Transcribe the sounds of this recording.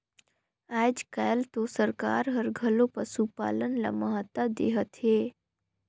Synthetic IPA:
aːd͡ʒkaːjəlt̪osəɾka̰ːɾɦəɾɡʱəlõpəɾsupa̰ːlənla̰məɦət̪ad̪ḛːɦət̪ɦeː

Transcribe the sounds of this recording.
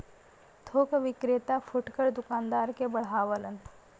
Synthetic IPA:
t̪ʰoːkʋɪkɾet̪afʰʊʈkəɾd̪ʊkaːnd̪aːɾkebɐɽɦaːʋələnt̪

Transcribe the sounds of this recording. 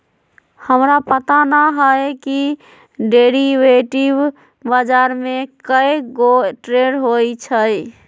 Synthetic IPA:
həmɾapət̪anaɦəjki | ɖeɾiʋeʈib | bad͡ʒaɾmekəjɡoʈɾeɽɦojt͡ʃʰəj

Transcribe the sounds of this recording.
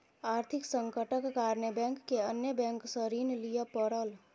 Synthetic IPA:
aːɾt̪ʰiksə̃ŋkəʈəkːaɾnebɛ̃ŋkːeənjəbɛ̃ŋksəɾiːnlijəpəɾəl

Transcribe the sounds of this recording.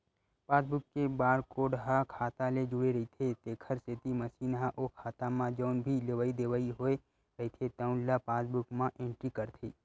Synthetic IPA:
paːsbʊkːebaːɾkoːɖɦakʰaːt̪aled͡ʒʊɽeɾɐit̪ʰet̪eːkʰəɾset̪imɐsiːnɦaʔoːkʰaːt̪amãd͡ʒoːnbʱileʋaːid̪eːʋaiɦoe | ɾɐɦit̪ʰet̪aʊ̃nlːapaːsbʊkmãʔẽːɳʈɾikəɾt̪ʰeː

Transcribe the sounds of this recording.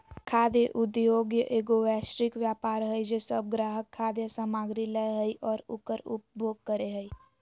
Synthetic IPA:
kʰaːd̪jəʔʊd̪joːɡjəʔeːɡoʋɛːʃɾɪkʋjaːpaːɾɦəid͡ʒesəb̚ɡɾaːɦəkʰːaːd̪jəsaːmaːɡɾiləjɦəiʔɔːɾʊ̰kəɾʊp̚bʱoːɡ̚kəɾeɦəi

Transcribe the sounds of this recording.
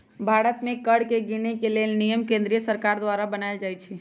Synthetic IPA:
bʱaɽət̪mẽkəɽkeɡiñekelelnijəmkẽnd̪ɾijəsəɾkaɾd̪ʋaɾabənaɪld͡ʒajt͡ʃʰɛ

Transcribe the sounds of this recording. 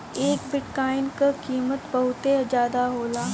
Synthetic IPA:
eːkbɪʈkaːɪnkakiːmət̪bɐɦʊt̪ed͡ʒaːd̪aɦoːlaː

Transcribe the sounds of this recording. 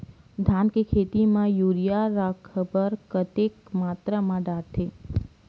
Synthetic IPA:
d̪ʱankekʰet̪imãjuɾijaɾəkʰəbəɾkət̪ekmat̪ɾəmãɖaʈ̪ʰe

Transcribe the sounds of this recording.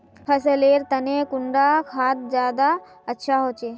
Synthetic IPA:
pʰəsəleːɾt̪ənekʊɳɖakʰaːt̪̚d͡ʒjaːd̪a | ətːʃʰaɦot͡ʃeː

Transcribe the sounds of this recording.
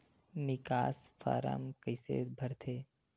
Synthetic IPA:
nɪkaːsfa̰ːɾə̰mkəɪsḛbʱɐɾt̪ʰeː

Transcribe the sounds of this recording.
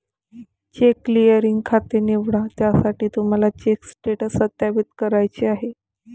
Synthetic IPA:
t͡ɕekːlijəɾiŋɡkʰat̪eniʋɽat̪jasaʈiːt̪um̤alat͡ɕeksʈeʈəsət̪japit̪̚kəɾajt͡ɕeaɦe

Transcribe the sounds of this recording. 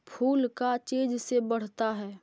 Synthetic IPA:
pʰuːlkat͡ʃeːd͡ʒsebɐɽ̤t̪aɦɛː

